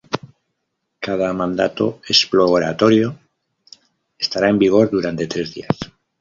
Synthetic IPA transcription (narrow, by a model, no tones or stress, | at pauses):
kað̞amãnd̪a̰t̪o̞̰esplooɾa̰t̪o̞ɾjo̞ | est̪aɾae̞mbiɣ̞o̞ɾðuɾant̪e̞t̪ɾe̞zðḭas